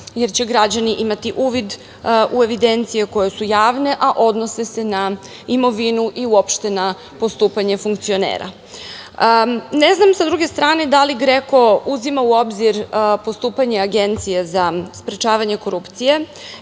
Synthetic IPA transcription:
jeɾt͡ɕe̞ɡɾad͡ʑaniʔimat̪iʔuːʋid̪ | ʔue̞ʋid̪e̞nt̪sije̞ko̞je̞sujaːʋne̞ʔaʔo̞d̪no̞sese̞na | imo̞ʋinuʔiuopʃt̪e̞na | po̞st̪uːpaɲe̞fuŋkt̪sio̞nḛːɾa̰ | neznamsad̪ɾuɡe̞st̪ɾaːne̞d̪aliɡɾe̞ko̞uzimauo̞bziɾpo̞st̪uːpaɲe̞aɡe̞nt̪sijezaspɾet͡ʃaːʋaɲe̞ko̞ɾupt̪sije̞

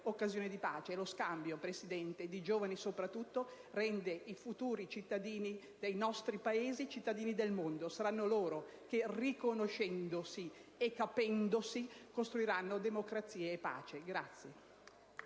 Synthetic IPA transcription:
okːazjoːned̪ipa̰ːt͡ʃeloskambjopɾesid̪ɛnt̪ed̪id͡ʒoːvanisopɾat̪ːut̪ːo | rɛnd̪eifut̪uːɾit͡ʃit̪ːad̪iːni | d̪ejnɔst̪ɾipaeːzit͡ʃit̪ːad̪iːnid̪elmond̪osaɾanːoloːɾo | kerikonoʃɛnd̪osiekːapɛnd̪osikost̪ɾuiɾanːod̪emokɾat̪sːiːeːpːa̰ːt͡ʃeɡɾat̪sːje

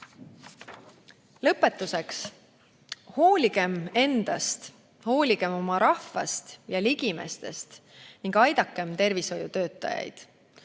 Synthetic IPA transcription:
lɤpːˑe̞t̪ːˑuse̞ks | ho̞ːlʲiɡ̥e̞me̞nd̪̥ɑst̪ | ho̞ːlʲiɡ̥e̞mo̞mɑɾɑhvɑ̰st̪jɑliɡ̥ime̞̰st̪e̞st̪ | niŋɡ̥ɑjd̪ɑkːe̞mt̪e̞rviso̞jut̪ø̞ːt̪ːˑɑ̰jɑ̰jd̪̥

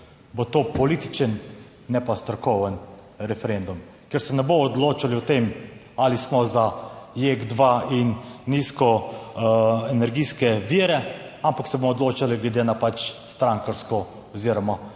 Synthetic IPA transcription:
bot̪oːpɔlit̪i̥t͡ʃən | nɛpast̪ɾɔkɔʋən | ɾɛfɛɾend̪um | kɛɾsɛnɛbomɔːd̪loːt͡ʃaliɔt̪em | alismɔzajeɡd̪ʋainːiskɔ | ɛnɛɾɡiːskɛʋiːɾɛampaksɛbomɔd̪loːt͡ʃaliɡlɛd̪enapat͡ʃst̪ɾaŋkaɾskɔ | ɔziɾɔma

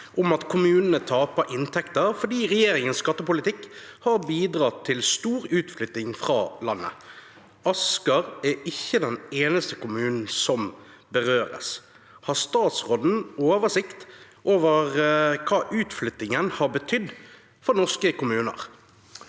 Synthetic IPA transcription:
ʔʊmɑt̪kʰʊmʉːnənət̪ʰɑːpəʔɪnt̪ʰɛkt̪əɾfɔɖiːʁɛjeːɾɪŋənskɑt̪ːəpʊlɪt̪ʰɪkhɑɾbiːd̪ɾɑt̪ʰːɪlst̪uːɾʉːt̪flʏt̪ɪŋfʁɑ̰ːlɑnːə̰ | ɑskɑʁæɪçːəd̪ɛneːnəst̪əkʊmʉːnn̩sɔm | bəʁøːɾə̰s | hɑst̪ɑːt̪sʁɔd̪n̩oːʋəsɪkt̪ | ʔoːʋəʁkʰɑːʔʉːt̪flʏt̪ɪŋənhɑɾbət̪ʰʏd̪ː | fɔʁnɔʁskəkʊmʉːnə̰ʁ

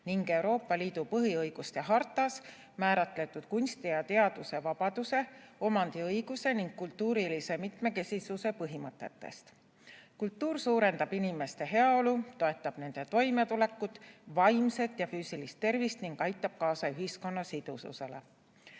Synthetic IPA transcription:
niŋɡe̞wɾo̞ːpːˑɑliːd̪̥upɤɦiɤjɡ̥ust̪eɦɑrt̪ːˑɑs | mæːɾɑt̪ˑle̞t̪ːud̪̥̚kunʲst̪ijɑt̪e̞ɑd̪̥use̞vɑb̥ɑd̪̥use̞o̞mɑnd̪̥iɤjɡ̥use̞niŋɡ̥̚kult̪ːuːɾilise̞mit̪me̞ke̞sʲisuse̞pɤɦimɤt̪ːˑe̞t̪ːˑe̞̰st̪ | kult̪ːuːɾsuːɾe̞nd̪ɑb̥inime̞st̪e̞ɦe̞ɑo̞lut̪o̞e̞t̪ːˑɑb̥ne̞nd̪̥e̞t̪o̞jme̞t̪ule̞kːˑud̪̥vɑjmse̞t̪jɑfyːsilist̪ːe̞rvist̪niŋɡ̥ɑjt̪ːˑɑb̥̚kɑːsɑyɦisko̞nːɑsid̪̥ṵsṵse̞̰le

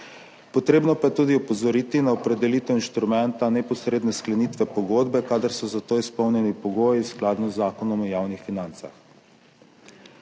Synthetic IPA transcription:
pɔt̪ɾeːbnɔpajɛt̪ud̪iɔpɔzɔɾit̪inaɔpɾɛd̪ɛliːt̪ɛwinʃt̪ɾumɛnt̪anɛpɔsɾeːd̪nɛsklɛnit̪ʋɛpɔɡoːd̪bɛkad̪əɾsɔzat̪oːispɔwnjɛnipɔɡoːjiwsklaːd̪nɔzːaːkɔnɔmɔjaːwnixfinant̪sa̰x

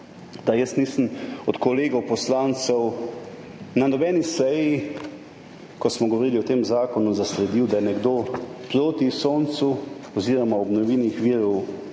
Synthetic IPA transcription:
d̪ajəst̪niːsəmɔt̪kɔleːɡɔwpɔslaːnt̪sɛw | nanɔbɛnisɛji | kɔsmɔɡɔʋoɾiːliɔt̪eːmzaːkɔnuzaslɛd̪iwd̪ajɛnɛɡd̪oːpɾoːt̪isoːnt̪suɔziːɾɔmaɔbnɔʋiːnixʋiːɾɔw

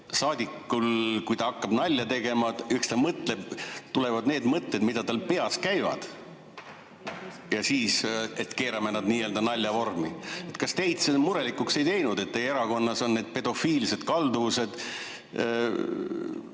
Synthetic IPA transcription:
sɑːd̪ʲikːˑulkujt̪ɑɑkːɑb̥nɑlʲːɑt̪e̞ɡe̞mɑykst̪ɑmɤt̪ˑle̞b̥t̪ule̞vɑd̪ne̞ːd̪mɤt̪ːe̞d̪mid̪̥ɑt̪ɑlpe̞ɑskæjvɑ̰d̪̥ | jɑsiːse̞t̪ke̞ːɾɑme̞nɑd̪niːø̞ːld̪ɑnɑlʲjɑvo̞rmie̞t̪kɑst̪e̞jd̪̥semuɾe̞likːˑukse̞jt̪e̞jnud̪̥e̞t̪ːejeɾɑko̞nːɑso̞nnːe̞ːd̪̥̚pe̞d̪̥o̞fiːlse̞d̪̥kɑld̪uvuse̞d̪̥

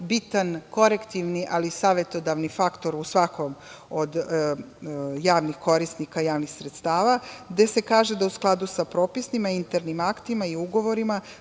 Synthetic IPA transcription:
bit̪anko̞ɾekt̪iʋniʔalisaːʋe̞t̪o̞d̪aʋnifakt̪o̞ɾusʋako̞m | od̪ | jaːʋnixko̞ɾisnikajaːʋnixsɾet̪st̪aːʋaɡd̪e̞se̞kaːʒe̞d̪ausklˠad̪usapɾo̞ːpisnimaint̪eɾnimakt̪imaiuɡo̞ʋo̞ɾima

